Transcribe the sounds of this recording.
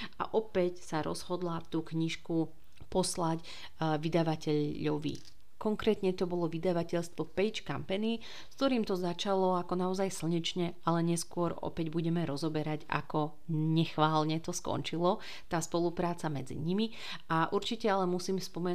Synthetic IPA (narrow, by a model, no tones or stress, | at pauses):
ʔa̰ʔɔpɛcsaɾɔ̰zɦɔd̪lat̪uːkɲiʃku | pɔslac | ʋid̪aʋacɛʎːɔʋḭ | kɔŋkɾɛːt̪ɲɛt̪ɔbɔlɔʋid̪aʋacɛʎst̪ʋɔpɛɪt͡ʃkampɛni | sk̚t̪ɔɾiːmt̪ɔzat͡ʃalɔakɔnaɔzajsl̩ɲit͡ʃɲɛalɛɲɛskʊɔɾɔ̰pɛɟbuɟɛmɛɾɔzɔbɛɾaɟa̰kɔ | ɲɛxʋaːlɲɛt̪ɔskɔ̰nt͡ʃilɔ | t̪aːspɔlupɾaːt͡samɛd͡zḭɲimi | aʔuɾt͡ʃicɛalɛmusiːmspɔmɛ